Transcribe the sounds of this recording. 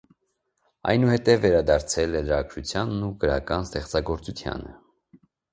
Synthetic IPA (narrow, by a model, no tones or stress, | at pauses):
ɑ̰jnuhɛt̪ɛvːɛɾɑd̪ɑɾt͡sʰɛlɛləɾɑkʰɾut͡sʰjɑnːukəɾɑkɑnst̪ɛχt͡sɑɡɔɾt͡sut̪ʰjɑ̰nə̰